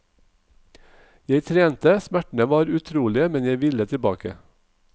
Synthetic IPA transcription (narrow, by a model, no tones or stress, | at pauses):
jeɪt̪ʰɾeːnt̪əsmæʈɳ̩əʋɑːɾʉt̪ʰɾuːlɪəmɛnjæɪʋɪlət̪ʰɪbɑ̰ːkə̰